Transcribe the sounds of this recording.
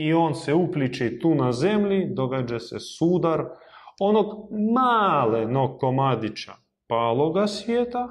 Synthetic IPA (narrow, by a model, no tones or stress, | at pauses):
io̞ːnseuplit͡ʃeit̪uːnazemʎid̪o̞ɡad͡ʒasesuːd̪aɾo̞no̞ɡmaːlenokomad̪it͡ʃa̰ | paːlˠoɡasʋʲjeːt̪a